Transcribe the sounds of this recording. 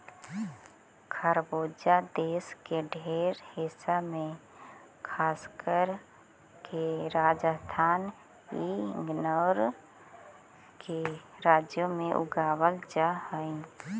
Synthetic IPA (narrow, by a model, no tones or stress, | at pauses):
kʰəɾboːd͡ʒad̪eːskeɖʱeːɾhɪsamẽ | kʰaːskəɾ | keɾaːd͡ʒəst̪ʰaːn | iŋɡnəwɾ | keɾaːd͡ʒjomẽʔʊ̰ɡaːwəld͡ʒahəĩ